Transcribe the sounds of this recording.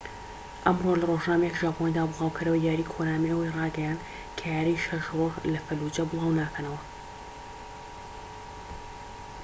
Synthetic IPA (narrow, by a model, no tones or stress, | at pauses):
ʔɐmrolɐroːʒnaːmɐjɛkʒaːpʰonid̪aːbɨlˠɑːwkʰɨɾɐwɐjaːɾiːkʰoɾaːmeʔəwejrɑːɡɛjaːnd̪ | kʰɐjaːɾejʃɐʃrorlɐfɐlud͡ʒɐbɨlˠɑːwnaːkʰɐnɐwɐ